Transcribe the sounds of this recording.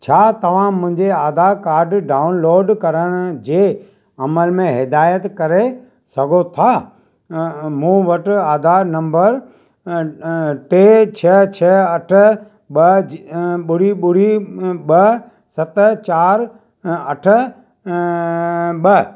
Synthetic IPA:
t͡ɕʰaːt̪ɐʋ̤ãmʊ̃ɦɪ̃ɲd͡ʑeaːd̪ʱakaːɾɖɖaːʊnloːɖkɐɾəɽ̃ʊ̆d͡ʑeː | ɐməlmẽɦɪd̪aːjət̪kɐɾe | sɐɡʱot̪ʰaː | mũːʋɐʈaːd̪ʱanɐ̃mbəɾ | ʈeːt͡ɕʰɐt͡ɕʰɐɐʈʰʊ̆ | ɓɐ | ɓʊɽ̤iɓʊɽ̤iɓɐ | sɐt̪t͡ɕaːɾ | ɐʈʰə̆ | ɓɐ

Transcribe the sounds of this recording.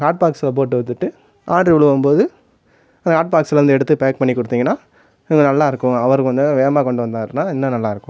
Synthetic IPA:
kaːʈ̚paːksɪlɐp̬oːʈːɯʋɐt̪ːɯʈːɯ | ʔaːɳɖɾiʋɭɯʋɐmpoːðɯ | ɐnd̪ɐkaːʈ̚paːksɪlɐɾnd̪ɯɛɽɯt̪ːɯpeːk̚pɐɳːikːɔɽɯt̪ːiːŋɡɐnːaː | ɪŋɡɐnɐlːaːɪɾɯkːʊ̃ɐʋɐɾɯkɯʋɐnd̪ɯʋeːmaːkɔɳɖɯʋɐnd̪aːɾnaːɪnːɐnɐlːaːɪɾɯkːʊ̃

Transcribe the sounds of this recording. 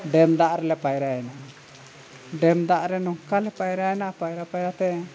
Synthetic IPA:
ɖɛmd̪aʔɾɛlɛpajɾaɛnaʔa | ɖɛmd̪aʔɾɛnɔŋkalɛpajɾaɛnaʔapajɾapajɾat̪ɛ

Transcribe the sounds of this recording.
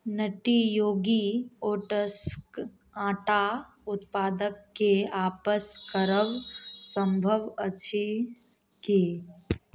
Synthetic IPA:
nəʈijoːɡioːʈəsk | ãːʈa | ʊt̪paːd̪əkːeaːpəskəɾəʋːə̃mbʱəʋət͡ʃʰi | ki

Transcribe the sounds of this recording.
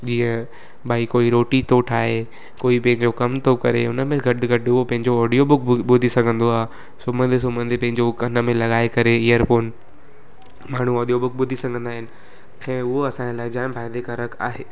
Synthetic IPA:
d͡ʑiːə̃ | baːikoːiɾoːʈit̪ʰoʈʰaːɦe | koːipɐ̃ɦɪ̃ɲd͡ʑokɐmt̪ʰokɐɾeʊnəmẽɡʱɐɖɡʱɐɖopɐ̃ɦɪ̃ɲd͡ʑoɔːɖijobʊkɓʊd̪ʱisɐɡʱə̃nd̪oaːɦ | sʊmə̃nd̪ʱes̬ʊmə̃nd̪ʱepɐ̃ɦɪ̃ɲd͡ʑokɐnə̆mẽlɐɠaːekɐɾeijəɾpoːn | maːɳ̤uɔːɗijobʊk̚ɓʊd̪ʱisɐɡʱə̃nd̪aːɦɪnɪ̆ | ɛ̃ːʊɦoɐsãːɲd͡ʑelaːɪd͡ʑãːɪ̃mbʰaːɪd̪ekɐɾəka̰ːɦeː

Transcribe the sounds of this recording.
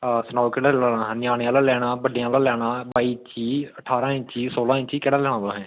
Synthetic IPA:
sənaːkɛɽaːlaːaːɦnɪjaːɽeãːlaːlɛːɽ̃aːbəɖejãːlaːlɛːɽãːbaːiːt͡ʃiːəʈʰaːɾãːɪ̃t͡ʃiːsoːlãːɪt͡ʃiːkɛɽaːlɛːɽ̃ãːbaːɦɛ̃ː

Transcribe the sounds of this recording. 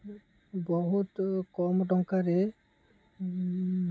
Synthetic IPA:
bɔɦut̪kɔmɖɔŋkaɾɛ

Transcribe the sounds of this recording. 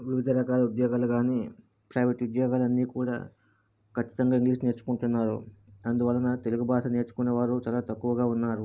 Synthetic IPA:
ʋiʋid̪ʱɐɾɐkaːlɐud̪jɔːɡaːlɐɡaːneː | pɾɐjʋeʈiud̪jɔːɡaːlɐnːiːkuːɽa̰ː | kʰɐt͡ʃːi̥t̪ɐŋɡaːiŋɡliːʂne̞ːɾt͡ʃu̥kuɳʈunːaːɾṵɐnd̪uʋɐlɐnɐt̪e̞luɡubʱaːʂɐne̞ːɾt͡ʃu̥kuneːʋaːɾut͡ʃaːlaːt̪ɐkːuʋɐɡaːunːaːɾu

